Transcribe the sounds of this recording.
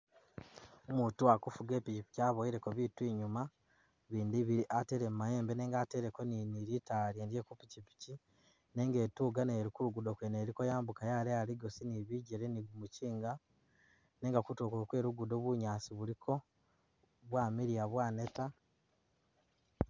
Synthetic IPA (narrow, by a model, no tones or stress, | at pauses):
omutuakufuɡe̞ːpicipi̥caːβoiɾe̞koβitwiːɲuma | βiːndiβiɾiʔate̞ɾemumae̞ːmbene̞ːŋɡaːte̞ɾekoniniɾitaɾjeːndje̞kupicipi̥ci | ne̞ːŋɡe̞ːtuːɡaneɾikuɾuɡudo̞kweneɾikojaːmbukajalealiɡosiniβiɟeɾeniɡumuciːŋɡa | ne̞ːŋɡakutokuɾokwe̞ːɾuɡudo̞βuɲaːsiβulikʰo̞ | βwaːmiɾijaβwaːne̞ta